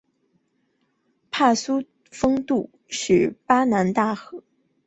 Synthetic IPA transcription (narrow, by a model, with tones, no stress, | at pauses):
pʰa˥˩su˥ | fɤ˥ŋt̪u˥˩ | ʂy˨˩pa˥na˧˥nt̪a˥˩xɤ˧˥˦